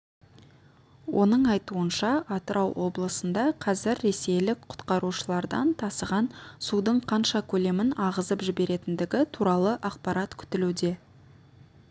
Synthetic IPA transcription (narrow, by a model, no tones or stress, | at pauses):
wʔo̞̰nəɴɑjt̪uənʃɑʔɑt̪əɾɑwwʔo̞blˠəsənd̪ɑqʰɑzɪɾːe̞se̞jlɪk̚qʰʊ̥t̪qɑɾuʃəlˠɑɾd̪ɑ̰nt̪ʰɑsəʁɑnsud̪əɴqʰɑnʃɑkʲʰɵle̞mɪnɑʁəzəpʒɪbe̞ɾe̞t̪ɪnd̪ɪɡʲɪt̪ʰuɾɑlˠəʔɑqpɑɾɑt̪kʲʰʏ̥t̪ɪlud̪e̞